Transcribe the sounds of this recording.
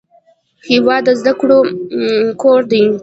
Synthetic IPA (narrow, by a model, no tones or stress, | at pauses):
hiwɑd̪ːəzd̪akɽo | koɾd̪ij